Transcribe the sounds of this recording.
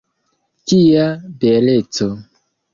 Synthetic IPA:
tiabelet͡so

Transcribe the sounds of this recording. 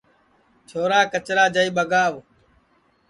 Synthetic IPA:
t͡ʃʰoːɾaːkət͡ʃɾaːd͡ʒəiːɓəɡaːʋ

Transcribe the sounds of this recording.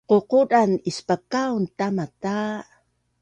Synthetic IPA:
ququdanispakawnt̪amat̪a

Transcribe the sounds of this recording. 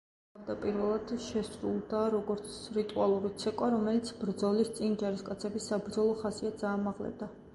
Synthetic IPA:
amd̪apʼiɾvɛlˠad̪̥ʃɛsɾulˠd̪aɾɔɡɔɾt̪sʰɾit̪ʼualˠuɾit̪sʰɛkʼwaɾɔmɛlit̪sʰbɾd̪zɔlist̪sʼind͡ʒaɾiskʼat̪sʰɛbisabɾd̪zɔlˠɔχasiad̪zaːmaʁlɛ̰b̚d̪a

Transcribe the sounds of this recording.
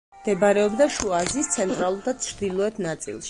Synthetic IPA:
md̪̥ɛbaɾɛɔbd̪aʃuazist̪sʰɛnt̪ʼɾalˠuɾd̪at͡ʃʰɾd̪ilˠɔɛt̪ʰnat̪sʼḭlˠʃ

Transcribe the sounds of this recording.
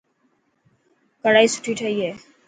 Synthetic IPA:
kəɽaːisu̥ʈʰiːʈʰəieː

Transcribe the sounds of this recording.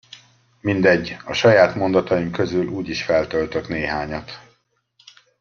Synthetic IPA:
mind̪ɛɟːɒʃɒjaːt̪mo̞nd̪ɒt̪ɒjimkø̞zylʔuːɟiʃfɛlt̪ølt̪øt̪neːɦaːɲɒt̪

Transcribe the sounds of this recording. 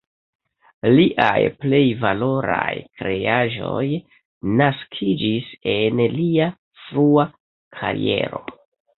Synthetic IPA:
liʔajple̞jvalo̞ɾajkɾe̞aʒo̞j | naskʰid͡ʒise̞nlia | fɾua | kʰaɾḭe̞̰ɾo̞

